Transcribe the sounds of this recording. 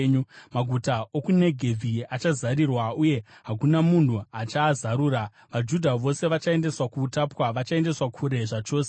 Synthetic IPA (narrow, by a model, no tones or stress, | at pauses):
ɲumaɡʱutaokune̞ɡʱe̞b͡vʱiat͡ʃazaɾirwauje̞ɦak̬unamuntuat͡ʃaːzaɾuːɾa | ʋad͡ʒudʱaʋo̞se̞ʋat͡ʃae̞nde̞swakuːtapwaʋat͡ʃae̞nde̞swakʰuɾe̞ʐat͡ʃo̞ːse